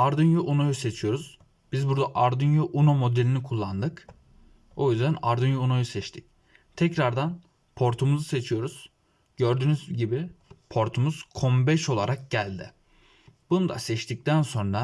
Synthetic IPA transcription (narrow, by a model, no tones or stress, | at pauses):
aɾd̪ɯnjuʔunojuse̞t͡ʃʰijo̞ɾuz̥ | bizbuɾd̪aʔaɾd̪ɯnjuʔunomo̞d̪elʲinikʰulˠːand̪ɯk | o̞jyzd̪ænaɾd̪ɯnjuunojusɛt͡ʃt̪ʰi̥c | t̪ʰɛcɾaɾd̪an | pʰo̞ɾt̪ʰumuzuse̞t͡ʃʰijo̞ɾuz̥ | ɟ̥øɾd̪yːnyzɟibipʰo̞ɾt̪ʰumuz̥kʰo̞mbɛʃo̞lˠaɾak̚ɟælʲd̪ɪ | bunud̪a̰sɛt͡ʃt̪ʰic̚t̪ʰænso̞nɾa